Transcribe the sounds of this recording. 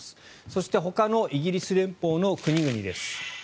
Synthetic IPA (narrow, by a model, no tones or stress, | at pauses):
sɨ̥ | so̞ɕi̥t̪e̞ɦo̞kano̞ʔiɡʲiɾʲisɨɾẽ̞mpo̞ːno̞kɯ̟ɲ̟iɡɯ̟ɲ̟id̪e̞sɨ̥